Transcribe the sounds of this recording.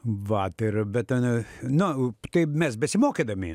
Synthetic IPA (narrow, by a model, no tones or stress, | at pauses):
ʋɐt̪ɪrbʲɛt̪ɐnnʊt̪ɐɪmʲɛsbʲɛsʲɪmoːkʲeːd̪ɐmʲɪ